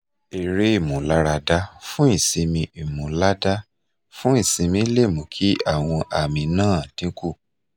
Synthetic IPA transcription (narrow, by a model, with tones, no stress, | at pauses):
e˨ɾe˨˦i˦˨mũ˨la˦ɾa˧da˦fũ˦i˦˨sĩ˧mĩ˧i˨mũ˨la˦da˦ | fũ˦i˦˨sĩ˧mĩ˧˦le˦˨mũ˨kʰi˦a˦˨w̃ɔ̃˧ʔa˨mĩ˧nãː˦˨tĩ˨˦ku˦˨